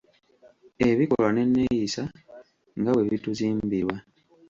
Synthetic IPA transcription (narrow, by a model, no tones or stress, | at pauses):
e̞βiko̞lwane̞nːe̞jisa | ŋɡawe̞βituziːmbiɾwa